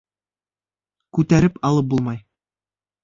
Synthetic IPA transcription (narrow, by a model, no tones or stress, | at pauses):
kʉt̪æɾɘpɑlˠɤp̚bulˠmɑj